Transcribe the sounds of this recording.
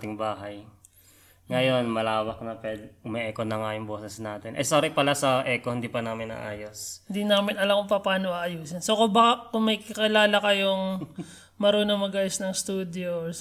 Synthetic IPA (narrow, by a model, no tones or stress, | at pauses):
t̪ɪŋbaːɦɐj | ŋɐjo̞nmɐlaːwɐk̚nɐpɛd̪ʔʊmɛʔɛːkonɐŋajʊŋboːsɛsnaːt̪ɪnʔɐ̰jsaːɾɪpɐlasɐʔɛːkohɪnd̪iːpɐnaːmɪnɐ̰ʔaːjoshɪnd̪inaːmɪnɐlɐmʊŋpɐpaːnoʔɐʔɐjuːsɪnsokʊbkʊŋmɐjkɐkɪlaːlɐkɐjoŋ | mɐɾoːnomɐɡʔaːjosnɐŋst̪uːd̪jo